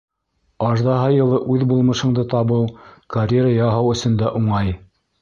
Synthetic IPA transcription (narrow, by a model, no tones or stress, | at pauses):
ɑʒd̪ɑɦɑjɤ̆lˠɤʔʉðbulˠmɤ̆ʃɤ̆ɴd̪ɤt̪ɑβɤwkɐrʲeɾəjɑɦɤwɵ̆sɵ̆nd̪æʔuɴɑj